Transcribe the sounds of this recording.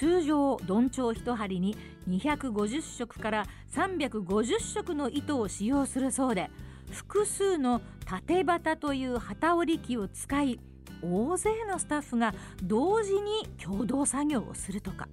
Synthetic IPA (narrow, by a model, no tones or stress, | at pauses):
t͡ɕɨːʑo̞ːd̪õ̞ɲt͡ɕo̞ːçi̥t̪o̞ɦaɾʲiɲ̟i | ɲ̟içakɯ̟ɡo̞ʑɨɕːo̞kɯ̟̥kaɾa | sãmbʲakɯ̟ɡo̞ʑɨɕːo̞kɯ̟no̞ʔit̪o̞ːɕijo̞ːsɨɾɯ̟so̞ːd̪e̞ | ɸɯ̟̥kɯ̟sɨːno̞ | t̪at̪e̞bat̪at̪o̞jɯ̟ːhat̪aoɾʲikʲio̞t͡sɨ̥kai | oːze̞ːno̞sɨ̥t̪aɸːɯɡa | d̪o̞ːʑiɲ̟ikʲʰo̞ːd̪o̞ːsaɡʲo̞ːo̰sɨɾɯ̟t̪o̞kḁ̰